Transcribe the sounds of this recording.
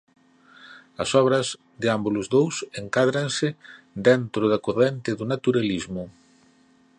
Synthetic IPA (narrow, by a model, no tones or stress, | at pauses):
ɐ̰sɔβ̞ɾɐz | d̪ɪambulʊzðowseŋkaðɾansɪ | d̪ent̪ɾʊðɐkorent̪ɪðʊnat̪uɾalizmʊ